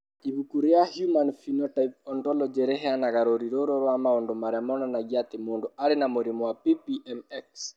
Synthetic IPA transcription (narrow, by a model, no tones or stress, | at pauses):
iβukuɾjahjumanfinɔtaip̚ɔntɔlɔd͡ʒɛɾɛɦɛanaɣaɾoɾiɾoːɾoɾwamaondomaɾamɔnanaɡiat̪ɪmondoaɾenamoɾimɔwapipiʔɛmɛks